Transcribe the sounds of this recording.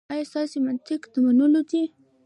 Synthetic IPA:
ɑjɑst̪ɑsemant̪ɪkd̪əmanulod̪i

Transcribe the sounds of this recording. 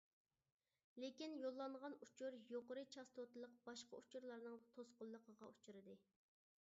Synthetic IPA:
lekʲinjolˠːɑɴʁɑnut͡ʃʰuɾjoqəɾɨt͡ʃʰɑst̪ʰot̪ɨlˠəq̚bɑʃqɑut͡ʃʰuɾlˠɑɾnɨŋt̪ʰosqʊlˠːəqʰəʁɑut͡ʃʰuɾɨd̪ɨ

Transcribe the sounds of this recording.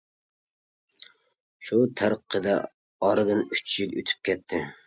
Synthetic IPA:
ʃut̪ʰæɾəqʰːəd̪ɛ̰ | ɑɾɨd̪ɨnyt͡ʃʰjilˠø̰t̪ʰy̥p̚kʲʰɛt̪ʰːɪ

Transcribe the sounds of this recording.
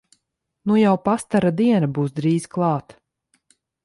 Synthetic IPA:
nujawpast̪aɾad̪iɛnabuːsd̪ɾiːzklˠɑːt̪

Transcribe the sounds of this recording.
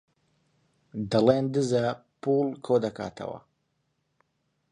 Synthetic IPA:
d̪alɛnd̪ɨzapulkʰod̪akʰa̰ːt̪ʰa̰wa̰

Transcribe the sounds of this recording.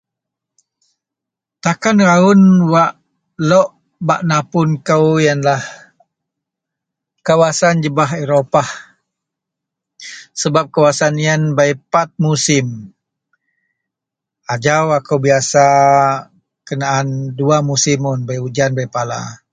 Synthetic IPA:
t̪akanɾaʊnwaʔ | lɔʔ | baʔnapʊnkəwjanlah | kawasand͡ʒəbaɦeɾopah | səbap̚kawasanijanbaipat̪̚musɪm | ad͡ʒawakəwbiasa | kənaːnduamusimʊnbajud͡ʒanbajpala̰

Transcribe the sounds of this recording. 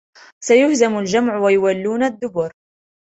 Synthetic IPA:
sajʊhzamald͡ʒamʕwajʊwalːuːnad̪ːʊbʊɾ

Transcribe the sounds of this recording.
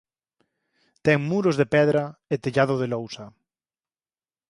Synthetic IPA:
t̪ɛŋmuɾʊzðepɛðɾaet̪eʎað̞oð̞elowsa

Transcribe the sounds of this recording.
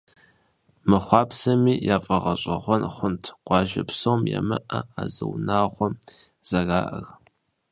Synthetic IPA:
mɨχʷɑːpsɐmiːjaːfʼɐʁɐɕʼɐʁʷɔnχʷʊntʰqʷɑːʒɐpsowmjɛ̰mɨʔɐaːzɨ̰wnaːʁʷɔm | z̥ɐɣaːʔɐr

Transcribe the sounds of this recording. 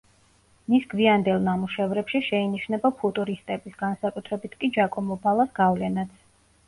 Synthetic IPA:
misɡviand̪ɛlˠnamuʃɛvɾɛpʃiʃɛiniʃnɛbapʰut̪ʼuɾist̪ʼɛbisɡansakʼut̪ʰɾɛbit̪ʰkʼid͡ʒakʼɔmɔbalˠasɡ̥avlɛnat̪sʰ

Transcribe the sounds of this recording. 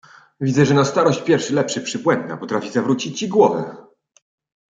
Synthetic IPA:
vʲid̪zɛʐɛnast̪aɾɔɕt͡ɕpʲjɛɾfʂɘlɛpʂɘpʂɘpwɛnd̪na̰pɔt̪ɾafʲizavɾut͡ɕit͡ɕiɡwɔvɛ̰

